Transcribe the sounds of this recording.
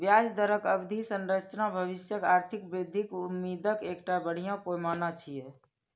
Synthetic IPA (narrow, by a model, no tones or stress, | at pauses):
bjaːd͡ʒd̪əɾəkəbd̪ʱisə̃nɾət͡ʃnabʱəʋɪsjəkaːɾt̪ʰɪk̚bɾɪd̪ʱːɪkʊmːiːd̪əkeːkʈabəɽ̤ijãpoːmaːnãt͡ʃʰiɛ